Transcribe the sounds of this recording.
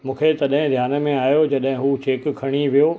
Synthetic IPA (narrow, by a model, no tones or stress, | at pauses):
mũːkʰet̪ɐɗɦɪ̃d̪ʱjaːnmẽaːjod͡ʑɐɗɦɪ̃ɦut͡ɕeːkkʰɐɽ̃iʋijoː